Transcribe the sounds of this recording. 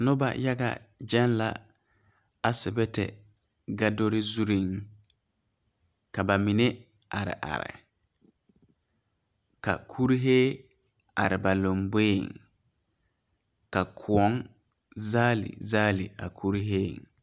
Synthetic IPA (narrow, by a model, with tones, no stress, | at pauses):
nʊ˦ba̰˨ja˦ɡa̰˦d͡ʒɛ˦nla̰˨ | a˨sɪ˨bɛ˦tɛ̰˨ | ɡa˦do˦ɾɪ˦zu˦ɾi˦ŋ | ka˨ba˨mi˨ne˦ | a˨ɾɪ̰˨ʔa̰˨ɾɪ̰˨ | ka̰˨kʰu˦ɾɦeː˦ | a˨ɾɪ˨ba˨lo˨mbeː˦˨ŋ | ka˨kʰʊ˨ɔ˦ŋ | zaː˦lḭ˨zaː˦li˨a˨kʰu˦ɾɦeː˦˨ŋ